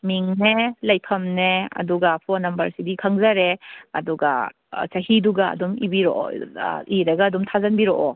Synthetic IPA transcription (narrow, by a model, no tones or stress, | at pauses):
miŋnelɐjpʰɐmneɐ̰duɡapʰɔnɐmbɐɾsidikʰaŋzaɾeɐduɡa̰ | t͡ʃahiduɡaɐ̰dumḭbiɾoʔ | iɾɐɡaːdumtʰazɐnbiɾoʔɔ